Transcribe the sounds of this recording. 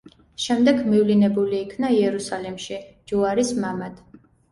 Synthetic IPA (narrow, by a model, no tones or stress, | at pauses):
ʃɛmd̪ɛɡmivlinɛbuliːkʰnaiɛɾusalɛmʃid͡ʒuaɾismamad̪̥